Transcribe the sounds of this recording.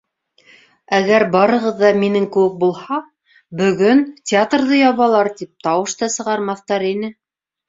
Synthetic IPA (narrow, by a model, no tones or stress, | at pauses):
æɡæɾbɑɾɤ̆ʁɤðːɑminɘŋkɘ̆wɘk̚bulˠhɑ | bɵ̆ɣɵntʲɪat̪rðɤjɑβɑlˠɑɾt̪ip̚t̪ɑwɤʃt̪ɑsɤ̆ʁɑɾmɑθt̪ɑɾinɘ